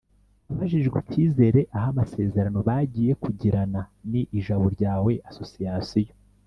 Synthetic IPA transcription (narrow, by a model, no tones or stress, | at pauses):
aβaʒiʒɡwiciːze̞ɾe̞ʔaɦamase̞ːzeɾano̞βaɟiːje̞kuɟiɾananiʔːʒaβo̞ɾɟaːwe̞ʔaso̞sijasijo